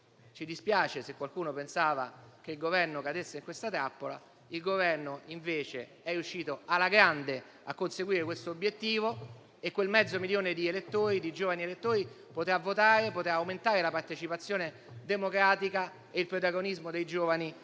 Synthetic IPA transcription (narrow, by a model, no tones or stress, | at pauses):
t͡ʃid̪ispjaːt͡ʃesekːwalkuːnopensaːva̰k̟eilɡovɛrnokad̪esːeiŋkwest̪at̪ɾapːola̰ | ilɡovɛrnoiɱveːt͡ʃe | ɛrjuʃːiːt̪oalːaɡɾand̪e | a̰kːonseɡwiːɾekwest̪oːbjet̪ːiːvo | ekːwelmɛd̪zːomiljoːned̪ielet̪ːoːɾid̪id͡ʒoːvanielet̪ːoːɾi | pot̪eavot̪aːɾepot̪eaːwment̪aːɾelapart̪et͡ʃipat̪sːjoːne | d̪emokɾaːt̪ika | eilpɾot̪̬aɡonizmod̪ejd͡ʒoːvani